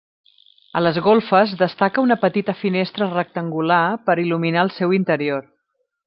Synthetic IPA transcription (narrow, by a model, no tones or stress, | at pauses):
ə̰ləzɣolˠfəzðəst̪akəunəpət̪it̪əfinest̪ɾərək̚t̪əŋɡulapəɾiluminaəlˠsɛwint̪əɾioɾ